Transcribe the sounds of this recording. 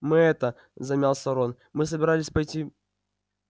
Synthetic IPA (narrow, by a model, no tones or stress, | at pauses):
mɨɛt̪ə | zɐmʲalˠsɐɾon | mɨs̬əbʲɪɾalʲɪsʲpɐjtʲi